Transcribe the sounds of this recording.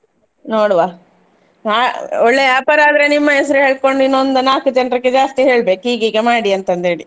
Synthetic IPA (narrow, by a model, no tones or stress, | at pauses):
noːɽʋaː | aːoɭːe̞jaːpɐɾaːd̪ɐɾe̞nimːɐɛsɐɾuɦe̞ːɭko̞ɳɖinːond̪unaːkud͡ʒɐnɖɾɐkːed͡ʒaːst̪iɦe̞ːɭbe̞ːkɦiːɡiːɡemaːɽiɐnt̪ɐnd̪eːɽi